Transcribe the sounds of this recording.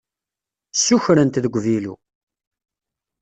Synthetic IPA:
sːuçɾənt̪ðəɡʷvilṵ

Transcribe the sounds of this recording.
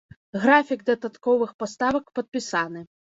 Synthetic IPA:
ɣɾafʲiɡ̚d̪ɐd̪at̪kɔvɨxpast̪avɐkpɐt̪̚pʲisanɨ

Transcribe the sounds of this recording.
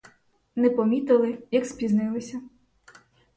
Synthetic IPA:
nɛpɔmʲit̪ɪlˠɪjɐkspʲiznɪlˠɪsʲɐ

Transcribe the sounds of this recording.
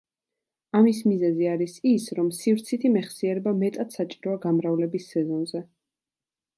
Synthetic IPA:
amismizɛziaɾisisɾɔmsivɾt̪sʰit̪ʰimɛχsiɛɾɛbamɛt̪ʼat̪ʰsat͡ʃʼiɾɔaɡamɾavlɛbisːɛzɔnzɛ

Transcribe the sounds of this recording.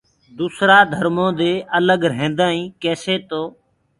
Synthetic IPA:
d̪uːsɾaːd̪ʱəɾmõːd̪eːʔələɡɾɦẽːnd̪aːĩːkeːseːt̪oː

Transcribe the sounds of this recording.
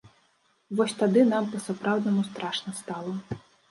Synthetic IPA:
vɔsʲt̪ad̪ɨnampɐsapɾawd̪nɐmust̪ɾaʂnɐst̪alˠɐ

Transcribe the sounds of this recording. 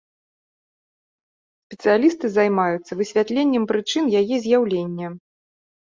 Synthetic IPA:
sʲpʲɛt̪sɨjalʲist̪ɨzajmajut̪sːɐvɨsʲvʲat̪lʲenʲːɛmpɾɨt͡ʂɨnjajɛzʲjawlʲenʲːɛ

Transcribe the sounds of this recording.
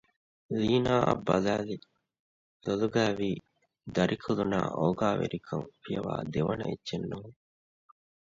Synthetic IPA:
liːnaːʔɐ̰bːɐlæːli | t̪oluɡæːʋiː | d̪ɐɾʔikʰuluna̰ːʔoːɡaːʋḛɾikʰɐŋfijɐʋa̰ːd̪eʋɐnɐ̰itːʃenːuɦuŋ

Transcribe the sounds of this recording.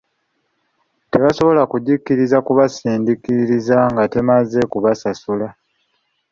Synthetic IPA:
te̞βaso̞βo̞lakuɟikːiɾizakuβasiːndikiɾiɾizaŋɡate̞maze̞kuβasasula

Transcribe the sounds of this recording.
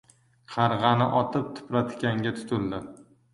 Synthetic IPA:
qʰɑɾʁɑnɪʔɒt̪ʰɪp̚t̪ʰʊ̥pɾat̪kʲaŋɡʲat̪ʰʊ̥t̪ʰɪld̪ɪ

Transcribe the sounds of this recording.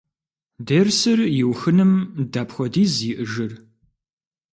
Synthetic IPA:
deːrsɨrjɪwxɨnɨmdaːpχʷɔdiːziːʔəʒɨr

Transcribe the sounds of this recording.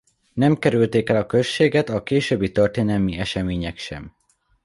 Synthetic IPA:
nɛmkɛɾylt̪eːkɛlɒkøʃeːɡɛt̪ɒkeːʃøːbːit̪ø̞rt̪eːnɛlmiɛʃɛmeːɲɛkʃɛ̰m

